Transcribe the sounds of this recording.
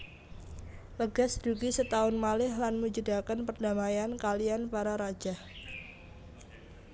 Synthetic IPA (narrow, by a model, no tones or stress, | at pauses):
ləɡasd̥uɡisət̪aʊnmalɪhlanmud͡ʒədakənpərdamajankalianpaɾaɾḁd͡ʒ̥ah